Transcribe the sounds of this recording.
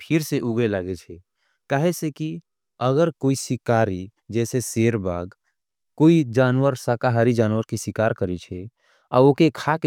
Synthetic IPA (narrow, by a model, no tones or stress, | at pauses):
pʰɪɾseʔuɡelaɡet͡ʃʰɛ | kaɦeseki | əɡəɾkoːisɪkaːɾi | d͡ʒɛːseseːɾba̰ːɡ | koːid͡ʒaːnwəɾsakaɦaɾid͡ʒaːnwəɾkisikaːɾkəɾet͡ʃʰe | aokekʰake